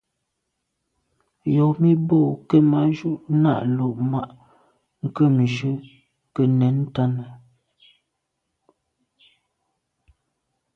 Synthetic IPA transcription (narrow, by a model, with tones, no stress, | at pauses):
jɔ˨mi˦bo˦˨kə˦ma˦ʒu˦˨ʔna̰˦˨ʔlo˨ʔma˦˨ʔ | ŋ̩˨kə˦˨mʒə˦ | kə˨nɛ˨˦n˦ta˦nə˨